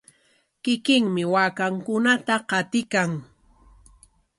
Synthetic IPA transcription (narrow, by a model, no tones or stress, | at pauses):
kɪkɪŋmɪwaːkaŋkʊnat̪aqɑt̪ɪkaŋ